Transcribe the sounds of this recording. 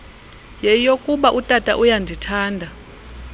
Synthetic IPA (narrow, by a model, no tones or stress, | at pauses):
jɛjokʼuɓaʔutʼatʼa̰ʔujandʱitʰaːndʱa